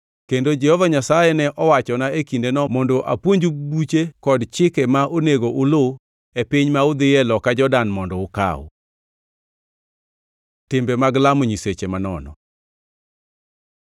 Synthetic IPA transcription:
kendod͡ʒɛhɔvaɲasajɛnɛʔɔwat͡ʃɔnaekindenɔmɔndoʔapwoɲd͡ʒubut͡ʃekɔdt͡ʃɪkɛmaʔoneɡoʔʊlo | epiɲmaʊd̪ɪjɛlɔkad͡ʒɔdanmɔndɔʊka̰w̰ | tɪmbemaɡlamoɲiset͡ʃemanɔnɔ̰

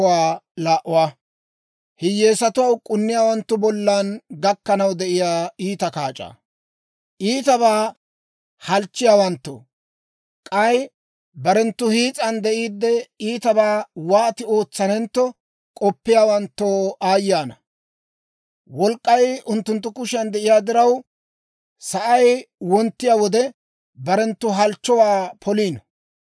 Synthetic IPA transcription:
waːlaːʔʊwaː | hɪjːeːsɐt̪ʊwɐwkʼʊnːɪjaːwɐnt̪ːʊbɔlːanɡɐkːɐnɐwd̪ɛʔɪjaːiːt̪ɐkaːt͡ʃʼa̰ː | ʔiːt̪ɐβaː | hɐlt͡ʃːɪjaːwɐnt̪ːo̰ː | kʼɐj | bɐɾɛnt̪ːʊhiːt͡sʼɐnd̪ɛʔiːd̪ːɛiːt̪ɐbaːwaːt̪ɪo̞ːt͡sːɐnɛnt̪ːɔ | kʼɔpːɪjaːwɐnt̪ːoːʔaːjɪːjaːnɐ | wɔlkʼːɐjʊnt̪ːʊnt̪ːʊkʊʃɐnd̪ɛʔɪjaːd̪ɪɾɐw | sɐʔɐjwɔnt̪ːɪjaːwɔd̪ɛ | bɐɾɛnt̪ːʊɦɐlt͡ʃːɔwaːpʰɔliːn

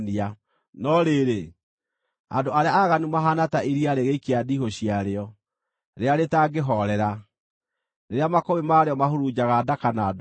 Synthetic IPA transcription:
nia | nɔɾeɾe | a̰ndoaɾeaaɣanumaɦanataʔiɾiaɾeɣeikeadiɦoɕiaɾeɔ | ɾeaɾetaɡeɦɔɾɛɾa | neɾeamakowemaɾeɔmaɦoɾud͡ʑaɣadakanad

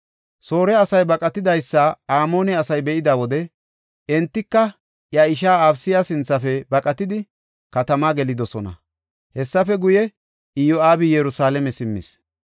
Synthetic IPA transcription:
so̞ːɾɛɐsɐjbɐkʼɐt̪ɪd̪ɐjsːaaːmo̞ːnɛɐsɐjbɛʔɪd̪awɔd̪ɛ | ɛnt̪ːɪkːɐ | jɐɪʃ̬aːabsɪjasɪnt͡sːɐfɛbɐkʼɐt̪ɪd̪ɪ | kɐt̪ɐmaːɡɛlɪd̪ɔsɔnɐ̰ | hɛsːɐfɛɡʊjɛ | ɪjɔaːbɪjɛɾʊsaːlɛmɛsɪmːɪ̰s

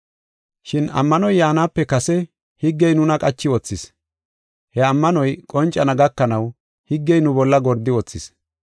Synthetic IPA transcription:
ʃɪnɐ̰mːɐnɔjːaːnaːpːɛkɐsɛ | hɪɡːɛjnʊnɐkʼɐt͡ʃːɪwɔt͡sːɪs | hɛɐmːɐnɔjkʼɔnt͡ʃʼːɐnɐɡɐkːɐnɐw | hɪɡːɛjnʊbɔlːɐɡɔɾd̪ɪwɔt͡sːɪs

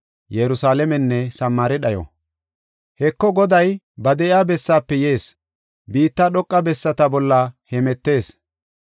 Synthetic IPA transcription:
jɛɾʊsaːlɛmɛnːɛsɐmːaːɾɪɗɐjɔ̰ | hɛkːɔɡɔd̪ɐj | bɐd̪ɛʔjaːbɛsːaːpːɛjeːs | biːt̪ːaɗɔkʼːɐbɛsːɐt̪ɐbɔlːɐhɛmɛt̪ːe̞ːs

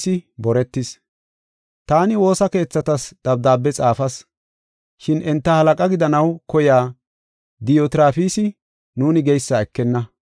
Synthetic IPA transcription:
sɪbɔɾɛt̪ːɪs | t̪aːnɪwo̞ːsɐke̞ːt͡sːɐt̪ɐsd̪̥ɐb̚d̪aːbːɛt͡sʼaːfɐs | ʃɪnʔɛnt̪ːɐhɐlɐkʼɐɡɪd̪ɐnɐwkɔjaː | d̪ɪjot̪ɪɾaːfiːsɪ | nuːnɪɡɛjsːɐɛkːɛnːɐ

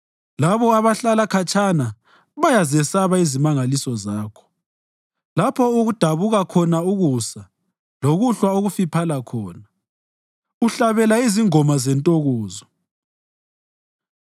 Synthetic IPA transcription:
laβɔaβaɬalakʰat͡ʃʼʰana | βajazɛsaβaizimaŋalisɔzaːkʰɔ̥ | lapʰɔuɣud̥ʱaβuɣakʰɔnauɣusa | loɣuɬwaoɣufipʰalakʰɔːna | uɬaβɛlaiziŋɔmazɛntʼoɣoːzɔ

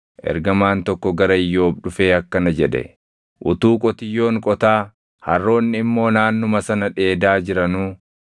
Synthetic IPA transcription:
ʔɛ̰ɾɡɐmaːnt̪ɔkːɔɡɐɾɐɪjːo̞ːbᶑʊfe̞ːɐkːɐnɐd͡ʒɛᶑɛ̰ | ʔʊt̪uːkʼɔt̪ɪjːo̞ːŋkʼɔt̪aː | hɐ̰rːo̞ːnːɪɪmːo̞ːnaːnːʊmɐsɐnɐᶑe̞ːd̪aːd͡ʒɪɾɐnuː

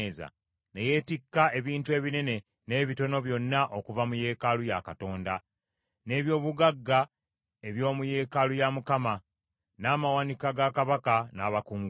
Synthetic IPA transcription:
za̰ | ne̞je̞ːtikːaʔe̞βiːntue̞ːβinene̞ | ne̞ːβito̞no̞βjo̞nːaʔo̞kuvamuje̞ːkalujakato̞ːnda | ne̞ːβjo̞ːβuɡaɡːa | e̞βjo̞ːmuje̞ːkalujamukama | naːmawanikaɡakaβakanaːβakuːŋɡ

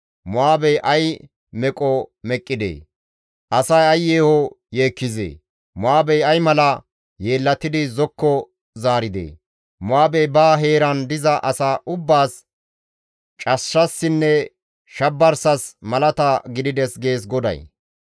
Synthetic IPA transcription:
mʊaːbɛjʔɐj | mɛkʼɔmɛkʼːɪd̪ḛː | ʔɐsɐjɐjːeːhɔ | je̞ːkːɪzḛː | mʊaːbɛjɐjmɐlɐ | je̞ːlːɐt̪ɪd̪ɪzɔkːɔ | zaːɾɪd̪ḛː | mʊaːbɛjbaːɦe̞ːɾɐnd̪ɪzɐʔɐsaːʔʊbːaːs | t͡ʃʼɐʃːɐsːɪnːɛ | ʃɐbːɐɾsɐsmɐlɐt̪ɐɡɪd̪ɪd̪ɛsɡe̞ːs̬ɡɔd̪ɐ̰j

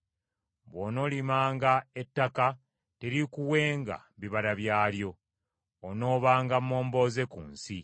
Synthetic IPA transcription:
βwono̞limaːŋɡaetːaka | teɾikuwe̞ːŋɡa̰βiβaɾaβjaːljo̞ | ono̞ːβaːŋɡamːo̞ːmbo̞ːze̞kṵːnsi

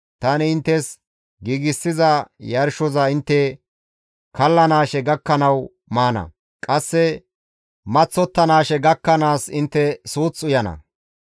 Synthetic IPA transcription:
t̪ɐnɪɪnt̪ːɛs | ɡiːɡɪsːɪzɐjɐɾʃɔzɐɪnt̪ːɛ | kɐlːɐnaːʃɛɡɐkːɐnɐw | maːnɐ̰ | kʼɐsːɛ | mɐt͡sːɔt̪ːɐnaːʃɛɡɐkːɐnaːsɪnt̪ːɛsuːt͡sːʊjɐnɐ̰

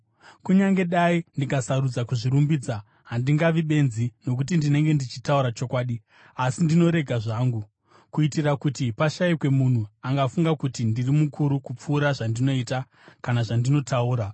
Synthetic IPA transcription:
kuɲaŋɡe̞ɗaindikasarud͡zakuʐiɾumbiːd͡za | ɦandiŋɡaʋiɓe̞nzino̞k̬ut̬indine̞ŋɡe̞ndit͡ʃitauɾat͡ʃo̞kwaːɗi | asindino̞ɾe̞ɡʱaʐaːŋɡu | kuitirakutipaʃaikwe̞mun̤uaŋɡafuŋɡakutindirimukʰuɾukup͡fuːɾaʐandino̞ita | kanaʐandino̞tʰauːɾa

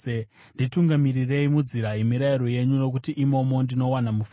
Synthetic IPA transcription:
ndituŋɡamirire̞imud͡ziɾaimiɾaiɾo̞je̞ɲuno̞k̬utiʔimo̞mo̞ndino̞wanamuf

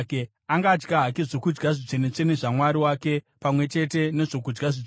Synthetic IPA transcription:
ke | aŋɡaːd͡ʒɡaɦak̬iʐokud͡ʒɡaʐit͡senet͡seneʐamwaɾiwake̞ | pamwe̞t͡ʃe̞te̞ne̞ʐo̞kud͡ʒɡaʐi

